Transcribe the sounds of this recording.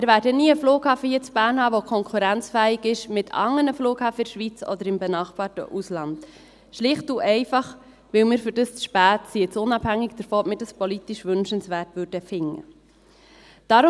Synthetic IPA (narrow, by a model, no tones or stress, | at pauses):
ɪɾvæːɾdəniːəfluːkhɑːfəhiət͡sb̥æːɾnhɑːʋokʰɔŋkʰuɾænt͡sfæːɪɡɪʃmɪtʰɑ̰ŋːənəfluːkhɑːfəɪʃʋit͡sɔ̰d̪əɾɪmbɛnɑːχbɑːɾtə̰ʔuslɑnd | ʃlɪχtuʔɛɪfɑχ | ʋɪlmɪːɾfʏdəst͡sʃpæːtsiɛt͡sʊnɑbhæŋːiɡd̥̪əɾfɔːɔmɪːd̥ɑspɔlitiʃʋʏnʃənsʋæːrtʋʏɾd̥əfɪŋːə̰ | d̥ɑɾʊ